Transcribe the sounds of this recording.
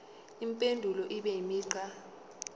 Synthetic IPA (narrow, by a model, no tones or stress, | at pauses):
impʼendʱulɔʔiɓɛimiːǀa